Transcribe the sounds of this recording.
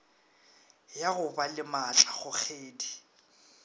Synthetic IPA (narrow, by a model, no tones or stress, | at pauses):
jaɣʊbalɪmat͡ɬʼaχʊk͡xʰeːdi